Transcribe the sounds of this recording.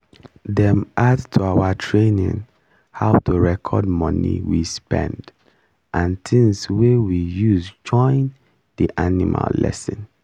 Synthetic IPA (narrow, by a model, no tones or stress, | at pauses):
dɛ̃mʔadtʰuawatʰɹenḭ̃n | haʊtʰuɹɛkʰɔd̚mʌnḭwispɛ̰̃nd | ʔãntʰĩŋswewijuzd͡ʒɔ̃ɪ̃n | diʔanimʔa̰llɛ̰sĩn